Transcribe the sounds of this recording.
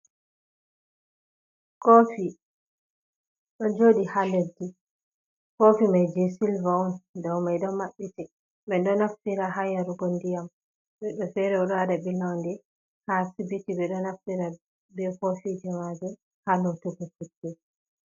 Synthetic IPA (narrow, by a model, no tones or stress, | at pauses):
kofi | ɗɔd͡ʒoɗihaledi | kofimajd͡ʒesilvaundɔwmajɗɔmaɓːiti | ɓɛndɔnaftiɾaɦajaɾuɡondijam | ɓɛɗɔfɛɾɛuɗadabilɔndɛ | hasibitibɛɗɔnaftiɾa | bɛkofid͡ʒɛmad͡ʒɛ | halutuɡɔfutːɛ